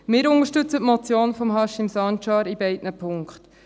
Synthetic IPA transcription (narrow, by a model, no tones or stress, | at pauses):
mɪːɾʊŋəʃtʏt͡sətmɔt͡sjoːnfɔmɦɑʃɪmsɑnt͡ʃɑːɾibɛɪdnəpʰʊŋkχt